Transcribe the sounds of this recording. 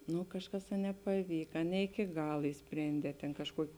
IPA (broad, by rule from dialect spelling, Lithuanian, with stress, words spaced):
ˈnʊ ˈkɑːʃˌkɐs ɐ nʲɛpɐˈʋʲiːkɐ nʲɛ ɪkʲɪ ˈɡɐlˠ ɪʃʲˈsʲpʲrʲeːnʲdʲɛː tʲeːn kɐʃˈkuɔkʲɪ